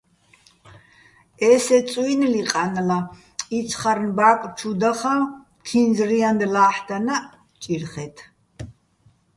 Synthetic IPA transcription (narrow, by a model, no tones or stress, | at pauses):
ɛsɛt͡sʼwinliqʼanla | it͡sʰχaɾnbakʼt͡ʃʰud̪aχa | k̪ʰind͡zɾiand̪laːħd̪ana | t͡ʃʼiɾχɛt̪ʰ